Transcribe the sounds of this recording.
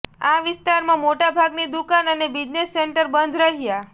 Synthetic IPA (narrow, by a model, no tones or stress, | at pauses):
aʋɪst̪aɾmãmoʈabʱaɡnid̪ukanənebid͡ʒnesːeɳʈəɾbənd̪ʱɾəɦija